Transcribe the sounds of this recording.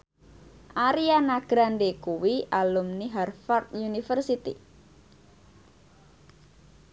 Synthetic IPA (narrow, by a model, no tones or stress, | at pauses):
ʔaɾianaɡ̥ɾandekuwiʔalumniɦarfart̪̚junifərsit̪ḭ